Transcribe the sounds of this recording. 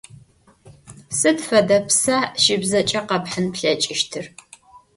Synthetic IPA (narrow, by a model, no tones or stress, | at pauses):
sɨdfɐdɐpʰsaʃɪbzɐt͡ʃʼɐqɐbħənpɬɐt͡ʃʼɪʃtʰɨr